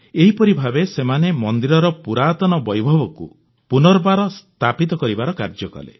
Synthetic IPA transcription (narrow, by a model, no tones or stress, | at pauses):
eɦipɔɾibʱabesemanemɔnd̪iɾɔɾɔpuɾaːt̪ɔnɔbɔjbʱɔbɔkṵ | punɔɾbaɾɔst̪ʰapit̪ɔkɔɾibaɾɔkaɾd͡ʒɔkɔ̰lḛ